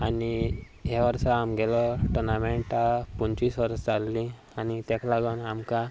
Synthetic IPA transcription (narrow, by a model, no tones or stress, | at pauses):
ani | ɦeʋəɾsaamɡɛlɔʈuɾnameɳʈapunt͡ɕiːsʋəɾəsd͡zalːĩ | anit̪ɛklaɡənamka